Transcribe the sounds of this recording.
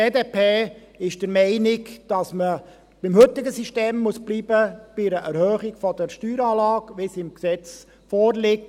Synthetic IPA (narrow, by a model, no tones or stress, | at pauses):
eːdeːpʰeː | ɪʃd̥əɾmɛɪnɪkd̥ɑsmə | b̥ɪmhɵt̪ɪɡəsiʃteːmːusb̥liːbəb̥ɪɾəʔɛɾhœːχɪɡfɔd̥̪əɾʃtyːɾɑːlɑːkʋɪsɪmksɛt͡s | fɔːɾlɪk̚t